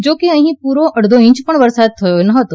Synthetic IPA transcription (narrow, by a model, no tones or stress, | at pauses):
d͡ʒoːkeɐɦĩpuːɾoʔɐɽd̪ʱoɪ̃ɲt͡ʃpəɳʋɐɾsaːd̪̚t̪ʰɐjonɐɦət̪o